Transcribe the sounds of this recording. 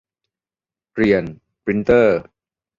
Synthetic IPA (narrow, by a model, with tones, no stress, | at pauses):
ɾi˨˩ən | pɾi˧˦˥nt̪ɤː˥˩